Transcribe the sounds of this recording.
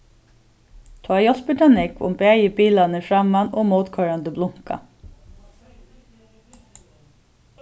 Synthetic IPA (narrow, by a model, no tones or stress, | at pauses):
t̪ʰɑːjɔspəʈʰɑnɪkʋʊ̰mbeæjəbiːlɑnəfɑmɑnoːmoːt̪kʰœɹɑnd̪əblʊŋkɑ̰